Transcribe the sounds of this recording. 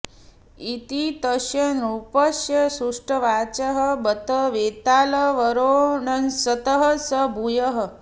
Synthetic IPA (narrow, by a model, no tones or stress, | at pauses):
it̪it̪əʃjɐnɾupəʃjɐsuʂʈəʋaːt͡ʃɐɦəbət̪əʋeːt̪aːlɐʋəɾoɳɐnsɐt̪əɦəsəbʱujəɦə̆